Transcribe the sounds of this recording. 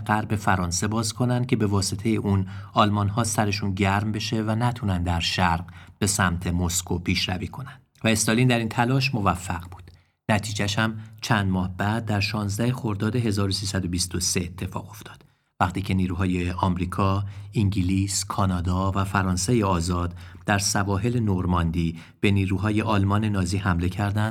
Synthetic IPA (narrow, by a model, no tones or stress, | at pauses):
ɢæɾbe̞fæɾɒːnse̞bɒːzkʰo̞nænd̪̚cʰe̞be̞vɒːset̪ʰe̞jeʔunɒːlmɒːnhɒːsæɾe̞ʃunɟæɾmbe̞ʃe̞vænæt̪ʰunænd̪æɾʃæɾɢb̥e̞sæmt̪ʰe̞mo̞skʰo̞pʰiːʃɾæviːkʰo̞nænd̥̪væe̞st̪ɒlind̪æɾint̪ʰælɒːʃ̬mo̞væfːæɣbu̥ːd̪̥ | næt̪ʰiːd͡ʒæʃhæmt͡ʃʰænd̪mɒːhbæd̪̚ːæɾʃɒːnzd̪æhe̞xo̞ɾd̪ɒːd̪e̞ɦe̞zɒːɾosiːsæd̪o̞bist̪o̞seet̪ʰːe̞fɒ̰ːɣo̞ft̪ʰɒ̥ːd̪̥ | væχt̪ʰiːcʰe̞niːɾuːɦɒːjeʔɒmɾiːkʰɒiŋɟiliːskʰɒːnɒːd̪ɒːvæfæɾɒːnsejeɒːzɒːd̪d̪̥æɾsævɒːɦe̞le̞noɾmɒnd̪iː | b̥e̞niːɾuːɦɒːje̞ʔɒːlmɒːne̞nɒːziːhæmle̞cʰæɾd̪ænd̪̥